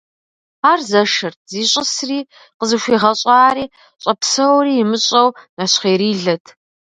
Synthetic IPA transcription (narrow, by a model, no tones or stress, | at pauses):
aːrzɐʂɐrtʰz̥iːɕʼɪsriː | qəzɨɕʷiːʁɐɕʼɑːɾiː | ɕʼɐpsɐwriːjɪmɨɕʼɐwnaɕχeːɾiːɮɐtʰ